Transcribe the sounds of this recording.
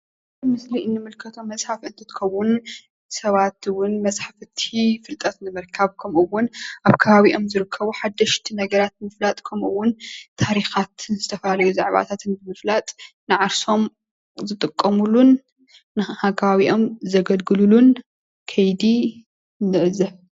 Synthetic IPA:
mɨslinːɨmɨlkʰɐt̪ʰomɐsʼħafɨnt̪ʰɨt̪kʰɐwʊn | sɐβat̪ɨwʊnmɐsʼħafɨt̪ʰifɨlt̪ʼɐt̪nɨmɨɾkʰaβkʰɐmʔɨwːʊnʔaβkʰɐβaβiʔo̞mzɨɾɨkʰːɐβuħad̪ːɐʃt̪ʰinɐɡɐɾat̪̚mɨflat̪ʼkʰɐmʔuwːʊnt̪ʰaɾixat̪ʰɨnzɨt̪ʰɐfɐalɐjuza̰ʕβa̰t̪ʰat̪ɨnbɨmɨflat̪ʼ | nɨʕaɾso̞m | zɨt̪ʼɨkʼːɐmulunː | ɨhakʰɐβaβiʔo̞mzɐɡɐlɡɨlulun | kʰɐjd̪i | nːɨʔzɐβ

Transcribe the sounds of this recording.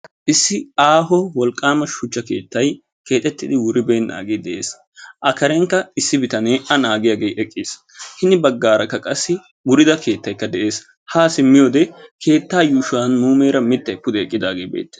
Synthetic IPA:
ʔɪsːɪaːɦɔwɔlkʼːaːmɐʃʊt͡ʃːɐke̞̰ːt̪ːɐj | ke̞ːt̪ʼɛt̪ːɪd̪ɪwʊɾɪbeːnnːʔa̰ːɡeːd̪ɛʔe̞ːs | ʔɐkɐɾɛŋkːɐɪsːɪbɪt̪ɐneːɐnaːɡɪjaːɡejʔɛkʼːɪːs | hɪnɪbɐɡːaːɾɐkːɐkʼɐsːɪ | wʊɾɪd̪ɐke̞ːt̪ːɐjkːɐd̪ɛʔe̞ːs | haːsɪmːɪjoːd̪ɛkʰe̞ːt̪ːaːjuːʃʊwaːnmuːmeːɾɐmɪt̪ːɐjpʊd̪ɛɛkʼːɪd̪aːɡeːbḛːt̪ːe̥

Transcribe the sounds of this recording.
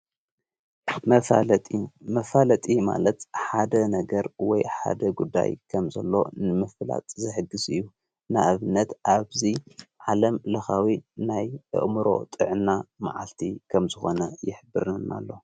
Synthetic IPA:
mɐfalɐt̪ʼima̰lɐt̪ħad̪ɐnɐɡɐɾwɔjħa̰d̪ɐɡud̪ːa̰jkʰɐmzɐlːo̞̰nɨmɨfla̰t̪ʼzɨħɨɡːɨzɨjːu | naʔaβnːɐt̪ʔaβziʕalɐmlɐxawinajʔɨ̰ʔmɨɾo̞̰t̪ʼɨʕɨnːama̰ʕalt̪ʰikʰɐmzɨxo̞nɐjɪħbɨɾna̰lːo̞

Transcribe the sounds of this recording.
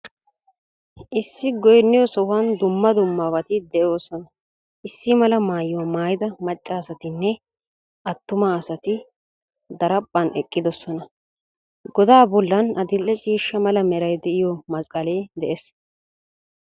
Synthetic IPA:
ʔɪsːɪɡɔjnːɪjɔsɔwɐnd̪ʊmːɐd̪ʊmːawɐt̪ɪd̪ɛjoːsɔnɐ | ʔɪsːɪmɐlɐmaːjwɐmaːjɪd̪ɐmɐt͡ʃʼːaːsɐt̪ɪnːɛ | ʔɐt̪ːʊmaːsɐt̪ɪ | d̪ɐɾɐpʼːɐnɛkʼːɪd̪ɔsɔnɐ | ɡɔd̪aːbɔlːɐnɐd̪ɪlːɛt͡ʃʼiːʃːɐmɐlɐmɛɾɐjd̪ɛʔɪjɔmɐskʼɐleːd̪ɛʔes

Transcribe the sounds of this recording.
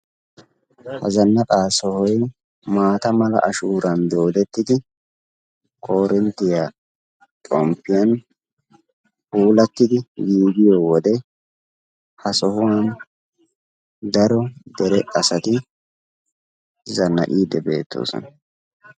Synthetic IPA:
hɐ̰zɐnːɐkʼaːsɔhɔj | maːt̪ɐmɐlɐ̰ʔɐʃuːɾɐnd̪o̞ːd̪ɛt̪ːɪd̪ɪ | kʼo̞ːɾʔɪnt̪ːɪja | t̪ʼɔmpːɪjɐn | huːlɐt̪ːɪd̪ɪɡiːɡɪjoːwɔd̪ɛ | hɐsɔhʊwan | d̪ɐɾɔd̪ɛɾɛʔʼɐsɐt̪ɪ | zɐnːɐ̰ʔʼiːd̪ɛbe̞̰ːt̪ʰːo̞̰ːsɔ̰nɐ

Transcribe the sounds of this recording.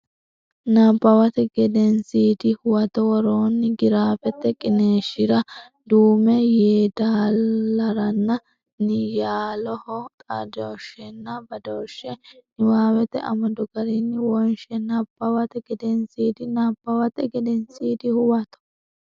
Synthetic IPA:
nɐbːɐwɐt̪ɛɡɛd̪ɛnsiːd̪ɪhʊwɐt̪ɔwɔɾoːnːɪɡɪɾaːfɛt̪ːɛkʼɪneːʃɪɾɐ | d̪uːmɛjeːd̪aːɐɾɐnːɐ | nɪjaːlɔhɔt̪ʼɐ̰d̪oːʃɛnːɐbɐd̪oːʃːɛnɪwaːwɛt̪ːɛ̰ʔɐ̰mɐd̪ɔɡɐɾinːɪwɔnʃɛnɐb̥ːɐwɐt̪ɛɡɛd̪ɛnsiːd̪ɪnabːɐwɐt̪ɛɡɛd̪ɛnsiːd̪ɪhʊwɐt̪ɔ̥

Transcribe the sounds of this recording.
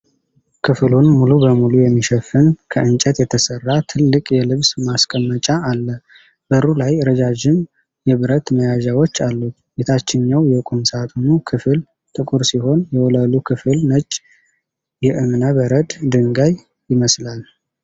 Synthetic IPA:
kʰɨflunmulubəmulujɛmːiʃɛfːɨnkʰəʔɨnt͡ʃʼɛt̪jɛt̪ʰəsərːat̪ʰɨlːɨkʼjɛlɨβsmaskʼəmːət͡ʃʼaːlːə | b̥əɾulajɾəd͡ʒad͡ʒɪn | jɛβɨɾət̪məjaʒawo̞t͡ʃːalːu | bet̪ʰat͡ʃːɪɲːawjɛkʼunsat̪ʼunukʰɨfɨl | t̪ʼɨkʼuɾsiho̞njɛwɔləlukʰɨfɨlnət͡ʃʼ | jɛʔɨmnəβəɾəd̪d̪ɨŋɡaj | jɪməslal

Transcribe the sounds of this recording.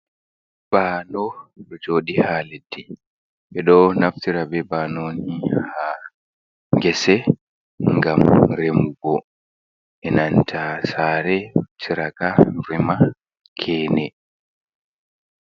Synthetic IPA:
b̥aːnɔɗɔd͡ʒoːɗihaːledːi | ɓɛɗɔnaftiɾabɛbanoːniha | ŋɡɛsɛ | ŋɡamɾemuɡɔ | ɛnantʰasaːɾɛtʰiɾakaɾɛma | kʰɛːnɛ

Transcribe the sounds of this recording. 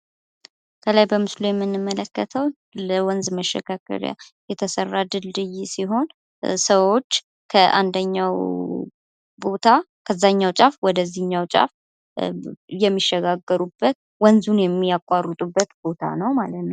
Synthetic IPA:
kʰəlajbəmɨslujɛmːɨnːɨmːələkːət̪ʰəw | ləwɔnzməʃːɛ̰kʰakʰə̰ɾja̰jɛt̪ʰəsərːad̪ɨld̪ɨjsiɦo̞n | səwo̞t͡ʃː | kʰəʔand̪əɲːaw | bo̞t̪ʰa | kʰəzːaɲːawt͡ʃʼafwɔd̪əzːihɨɲːawt͡ʃʼa̰f | jɛmːiʃːɛɡaɡːəɾubːət̪̚ | wɔnzunjɛmːijakʼːarːɨt̪ʼubːət̪bo̞t̪ʰa̰nəwmalət̪nəw

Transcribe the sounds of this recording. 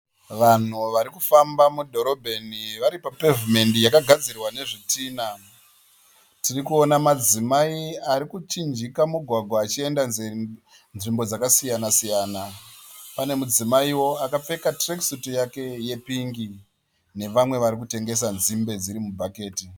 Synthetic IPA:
ʋan̤uʋaɾikufambamudʱo̞ɾo̞bʱe̞niʋaɾipape̞vume̞ndijakaɡʱad͡zirwane̞ʐitiːna | tirikuo̞namad͡zimaiaɾikut͡ʃind͡ʒikamuɡʱwaɡʱwaːt͡ʃie̞ndaz | nʐimbo̞d͡zakasijanasijaːnapane̞mud͡zimaiwo̞akap͡fe̞katreksutijake̞je̞piŋɡi | ne̞ʋamwe̞ʋaɾik̬ute̞ŋɡe̞s̬anzimbe̞d͡ziɾimubʱake̞ːti

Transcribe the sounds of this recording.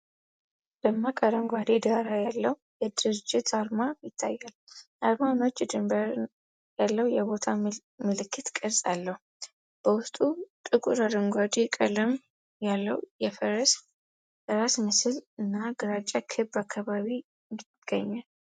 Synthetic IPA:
ləmːakʼaɾəŋɡʷad̪id̪aɾajalːəh | jɛd̪ɨɾɨd͡ʒɪt̪ʰaɾmajɪt̪ʰːajːal | aɾmano̞t͡ʃʼːɛd̪ɨmbəɾ | jalːəwjɛβo̞t̪ʰa | mɨlɨkʰːɨt̪kʼəɾsʼalːəhu | b̥əwʊst̪ʼut̪ʼɨkʼuɾad̪əŋɡʷad̪ikʼələm | jalːəwujɛfəɾəs | bəɾasmɨsɨlɨnːaɡɨɾat͡ʃʼːakʰɨbakʰːaβaβi | ni | ɡ̥əɲːal

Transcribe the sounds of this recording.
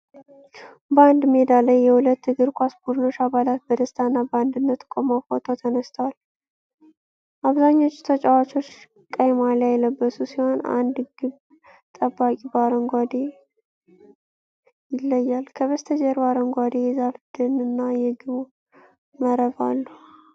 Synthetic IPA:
band̪med̪aləjːɛhulət̪ːɨɡɨɾkʷʰasbud̪no̞t͡ʃːaβalat̪̚bəd̪əst̪ʰanːaband̪ɨnːət̪kʷʼomafot̪ʰot̪ʰənəst̪ʰəwal | ʔaβzaɲːo̞t͡ʃːt̪ʰət͡ʃʼawat͡ʃʼo̞t͡ʃː | kʼəjmalajɛləbːəsusiho̞na̰nd̪ɡɨβ | t̪ʼəbːakʼibaɾəŋɡʷad̪e | jɪlːəjːalkʰəβəst̪ʰəd͡ʒəɾbaɾəŋɡʷad̪ejɛzafd̪ɨnɨnːajɛɡɨβo | məɾəva̰lːu

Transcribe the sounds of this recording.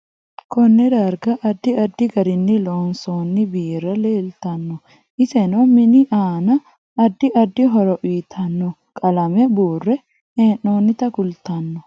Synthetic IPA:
kɔnːɛd̪ɐɾɡɐʔɐd̪ːɪɐd̪ːɪɡɐɾɪnːɪloːnsoːnːɪbiːɾːɐleːlt̪ɐnːɔ | ʔɪsɛnɐmɪnɪʔaːnɐ | ɐd̪ːɪʔɐd̪ːɪɦɔɾɔʔiːt̪ʰɐnːɔ | kʼɐlɐmɛbuːrːɛ | eːnːo̞ːnːɪt̪ɐkʊlt̪ɐnːɔ

